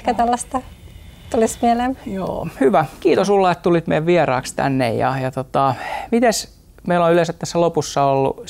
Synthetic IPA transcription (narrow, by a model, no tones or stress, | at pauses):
kæt̪ælːɑst̪ɑt̪ulismielemjo̰ːhyʋækiːt̪osulːɑet̪t̪ulit̪meiæʋʋierɑːkst̪æ̰nːḛjjɑ̰jɑt̪ot̪ɑmit̪es | meilonylesæt̪t̪æsːælopusːɑolːṵ